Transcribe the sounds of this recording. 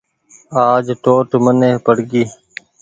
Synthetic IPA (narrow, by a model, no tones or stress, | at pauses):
aːd͡ʒʈoːʈməneːpəɽɡiː